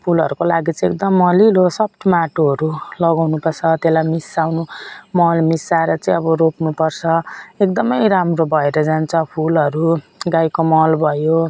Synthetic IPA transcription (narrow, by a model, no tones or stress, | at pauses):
pʰulʌɾukolaɡit͡sʌĩek̚d̪ʌmːʌlilosʌp̚ʰʈ̪maʈoɦʌɾulʌɡawnupʌrt͡sʰʌt̪elajmisawnumʌlmisaɾʌt͡sʌĩʌbʌɾopnupʌrt͡sʰʌek̚d̪ʌmʌjɾamrobʱʌeɾʌd͡zant͡sʰʌpʰulʌɾuɡajkomʌlbʱʌjo